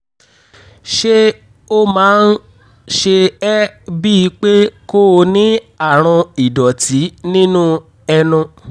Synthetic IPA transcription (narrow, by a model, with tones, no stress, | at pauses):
ʃe˦ | o˦mãː˦n̩˦ | ʃe˧ɛ˦bi˦i˨˧˦k͡pe˦ko˦˧nĩ˨˦ | a˦˨ɾ̃ɔ̃˧i˨dɔ˨tʰi˨˦nĩ˦nũ˦ | ɛ˧nũ˧